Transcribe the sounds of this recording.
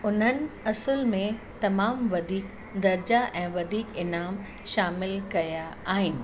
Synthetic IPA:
ʊn̤ənɪ̆ɐsəlmẽ | t̪ɐmaːmʋɐd̪ʱiːk | d̪ɐɾd͡ʑaʔɛ̃ːʋɐd̪ʱiːkɪnaːm | ʃaːmɪlkɐja | aːɦɪnɪ̆

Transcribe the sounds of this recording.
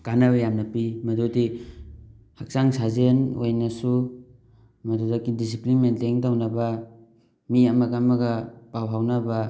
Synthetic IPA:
kanɐbɐjamnɐpimɐdodi | hak̚saŋsazenojnɐsu | mɐdudakːidis̬iplinmentleŋdawnɐbɐ | miɐmɐɡamɐɡɐpawɦawnɐbɐ

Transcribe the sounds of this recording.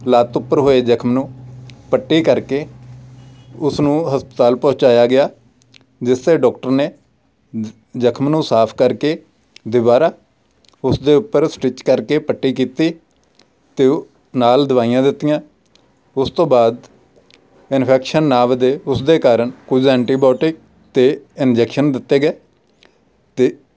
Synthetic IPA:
laːt̪ʊpːəɾɦoːeːd͡ʒəkʰmnũːpəʈːiːkəɾkeː | ʊsnũːɦəspət̪aːlpɔːt͡ʃaːjaːɡɪjaː | d͡ʒɪst̪eːɖɔːk̚ʈəɾneː | d͡ʒəkʰmnũːsaːpʰkəɾkeː | d̪ɪʋaːɾaː | ʊsd̪eːʊpːəɾsʈɪt͡ʃkəɾkeːpəʈːiːkiːt̪iː | t̪eː | naːld̪ʊʋaːijãːd̪ɪt̪ːijãː | ʊst̪õːbaːd̪ | ɪnpʰɛːkʃənːaːʋd̪eːʊsd̪eːkaːɾəɳkʊd͡ʒɛ̃ːɳʈiːbjɔːʈɪk̚ | t̪eːɪnd͡ʒɛːkʃənd̪ɪt̪ːeːɡeː | t̪eː

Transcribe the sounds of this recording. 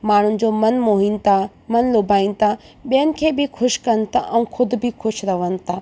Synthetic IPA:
maːɳ̤ʊnɪ̆d͡ʑoːmɐnmoːɦint̪ʰa | mɐnloːbʱaːin̆t̪ʰa | ɓijənɪ̆kʰeːbɪxʰʊʃkɐnɪ̆t̪ʰa̰ʔɛ̃ũxʰʊd̪ʱʊ̆bʱɪxʰʊʃɾɐʋənɪ̆t̪ʰaː

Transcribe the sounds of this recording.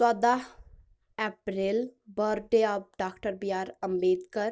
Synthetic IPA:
sad̪aɦ | ɛpɾelbəɾɖeaːp̚ɖaːkʈəɾbiaːɾəmbeːd̪kəɾ

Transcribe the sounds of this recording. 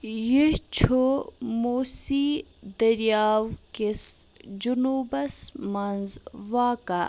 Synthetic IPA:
jet͡ʃʰomoːsid̪ɐɾjaːwkesd͡ʒunuːbɐsmɐnzʋaːka̰

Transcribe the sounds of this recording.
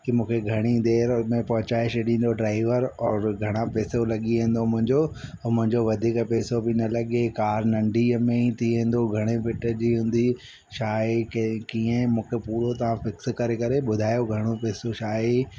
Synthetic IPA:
kimũːkʰeɡʱɐɽ̃id̪eːɾmẽpɐɦʊt͡ɕaːɪʃɗĩːn̆d̪oɖɾaːɪʋəɾɔːɾɡʱɐɽ̃apeːsolɐɠiẽːn̆d̪omʊ̃ɦɪ̃ɲd͡ʑomʊ̃ɦɪ̃ɲd͡ʑoʋɐd̪ʱiːkpɛːsobʱinɐlɐɠekaːɾnɐ̃ɳɖʱimẽit̪ʰiẽːn̆d̪oɡʱɐɽ̃epɪʈə̆d͡ʑiːɦũːn̆d̪i | ʃaːekkiːə̃mũːkʰepuːɾot̪ɐʋ̤ãfɪkskɐɾekɐɾeɓʊd̪ʱaːjoɡʱɐɽ̃opeːsoʃaːe

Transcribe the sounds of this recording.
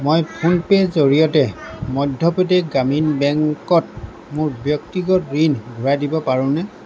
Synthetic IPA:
mojpʰunpɛzoɹijɔtɛmɔdʱːɔpɔtɛɡaminbɛŋkɔt̚ | mʊɹbjɔktiɡɔtɹinɡʱuɹadibɔpaɹʊ̃nɛ

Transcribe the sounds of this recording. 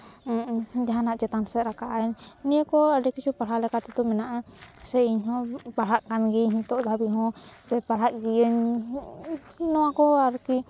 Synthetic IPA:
d͡ʒaɦanaʔd͡ʒɛt̪ansɛt̪ɾakaʔaɲnijəkɔaɖɛkit͡ʃʰupaɽ̤alɛkat̪ɛt̪ɔmɛnaʔasɛiɲɦɔ̃baɽ̤aʔkanɡiɦĩt̪ɔʔd̪ʱabiɦɔ̃sɛpaɦaʔɡijəɲ | nɔwakɔaɾki

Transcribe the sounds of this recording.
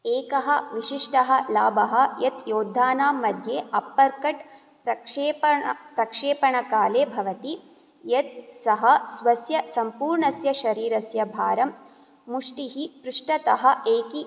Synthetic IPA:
eːkɐɦɐʋiʃiʂʈɐɦɐlaːbʱɐɦɐ̆jɐt̪joːd̪ʱːaːnaːmːɐd̪ʱjeːɐpːɐɾkɐʈ | pɾɐkʂeːpɐɐpɾɐkʂeːpɐɳɐkaːleːbʱɐʋɐt̪i | jɐt̪̚sɐɦɐsʋɐsjɐsɐmpuːɾɳɐsjɐʃɐɾiːɾɐsjɐbʱaːɾɐmː | uʂʈiɦip̪ɾuʂʈɐt̪ɐɦɐ̆ʔeːki

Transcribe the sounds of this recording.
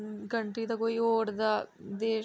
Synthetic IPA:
kəɳʈɾiːd̪aːkoːiːoːɾd̪aːd̪eː

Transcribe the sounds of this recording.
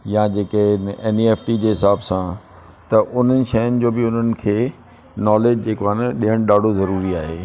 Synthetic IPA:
jãd͡ʑeːkeneːnieːfʈid͡ʑeːɦɪsaːbsã | t̪ɐʔʊn̤ənɪ̆ʃɐjʊnɪ̆d͡ʑoːbɪʊn̤ənɪ̆kʰeː | nɔːleːd͡ʑd͡ʑeːkoaɪnəɗiɦəɽ̃ɗaːɖʱozɐɾuːɾiaːɦeː

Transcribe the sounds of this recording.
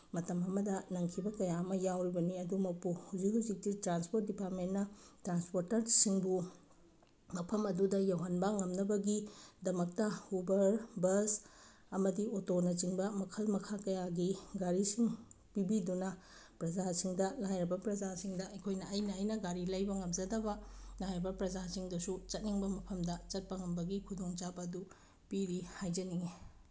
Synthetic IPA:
mɐtɐmɐmɐdɐnɐŋkʰibɐkɐjaɐmɐjawɾibɐniɐdumɐk̚puhawzik̚ɦuwzik̚titɾanspoɾt̚dipaɾtmentnɐtɾanspoɾtɐɾsiŋbu | mɐpʰɐmɐdudɐjɐwɦɐnbaŋɐmnɐbɐɡidɐmɐk̚tɐubɐɾbɐs | ɐmɐdiotonɐt͡ʃiŋbɐmɐkʰɐlmɐkʰakɐjaɡiɡaɾisiŋ | pibidunɐpɾɐd͡ʒasiŋdɐlajɾɐbɐpɾɐd͡ʒasiŋdɐɐkʰojnɐːjnɐːjnɐɡaɾilɐjbɐŋɐmd͡ʒɐdɐbɐlajɾɐbɐpɾɐd͡ʒasiŋdɐsut͡ʃɐt̚niŋbɐmɐpʰɐmdɐt͡ʃɐt̚pɐŋɐmbɐɡikʰudoŋt͡ʃabɐːdu | piɾihajd͡ʒɐniŋe

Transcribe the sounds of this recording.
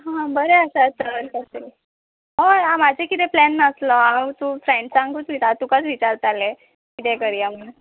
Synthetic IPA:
ɦãbəɾeəsat̪əɾkəsel | ɦojãmad͡ʑʱekit̪eplɛnːəslɔat̪ufɾeɳɖsãŋkut͡sʋitaɾt̪ukat͡sʋit͡ɕaɾt̪ale | kit̪ekəɾiaməɽ

